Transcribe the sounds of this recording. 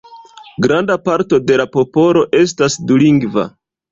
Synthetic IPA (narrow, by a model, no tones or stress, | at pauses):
ɡɾandapaɾto̞de̞lapo̞po̞lo̞ʔe̞stasduliŋɡva̰